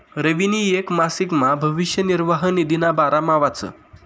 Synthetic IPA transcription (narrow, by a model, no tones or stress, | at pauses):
ɾəʋiniekmasikmabʱəʋiʂjəniɾʋaɦənid̪inabaɾamaʋat͡sə̰